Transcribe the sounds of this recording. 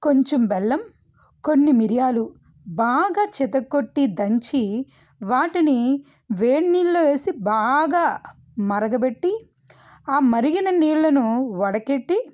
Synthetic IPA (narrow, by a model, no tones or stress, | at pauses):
ko̞ɲt͡ʃombɛlːɐm | ko̞nːimiɾijaːlu | baːɡaːt͡ʃɛt̪ɐkːoʈːid̪ɐɲt͡ʃi | ʋaːʈini | ʋeːɳniːɭloːʋe̞ːsibaːɡaː | mɐɾɐɡɐbe̞ʈːi | aːmɐɾiɡinɐniːɭːɐnuʋɐɽɐkeʈːi